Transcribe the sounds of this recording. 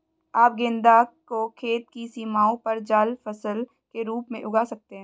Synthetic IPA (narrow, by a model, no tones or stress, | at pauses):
aːp̚ɡẽːnd̪akokʰeːt̪̚kisiːmaːõpɐɾd͡ʒaːlfɐsəl | keɾuːpmẽʔʊɡasɐk̚t̪eɦɛ̃ː